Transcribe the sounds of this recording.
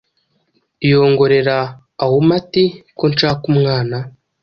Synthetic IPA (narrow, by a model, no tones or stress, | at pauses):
ijoːŋɡo̞ɾe̞ɾaː | womatikont͡ʃaːkumŋaːna